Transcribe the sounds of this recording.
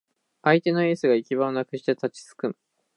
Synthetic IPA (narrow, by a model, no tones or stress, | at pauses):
ait̪e̞no̞e̞ːsɨɡaikʲiβaonakɯ̟ɕi̥t̪et̪at͡ɕi̥t͡sɨ̥kɯ̟̃